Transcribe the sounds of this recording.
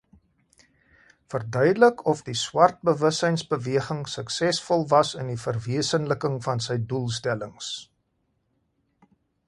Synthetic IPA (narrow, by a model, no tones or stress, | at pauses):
fərdœɥdələkɔfdiswɐrt̚bəvəsəjnsbəviəχəŋsəksɛsfɔlˠvɐsəndifərviəsənləkəŋfɐnsəjdulˠstɛləŋs